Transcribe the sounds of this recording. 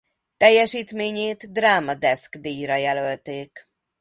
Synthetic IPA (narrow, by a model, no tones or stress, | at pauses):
t̪ɛjːɛʃiːt̪meːɲeːt̪d̪raːmɒd̪ɛskd̪iːjrɒjɛlø̞lt̪eːk